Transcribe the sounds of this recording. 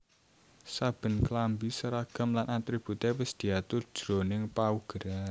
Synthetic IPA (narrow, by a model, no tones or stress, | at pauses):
sab̥ə̤nklambisəɾaɡ̥ə̤mlanʔant̪ɾib̥ut̪ɛwɪsd̪̥i̤at̪ʊr̥ʒ̥ɾonɪŋpauɡ̥əɾan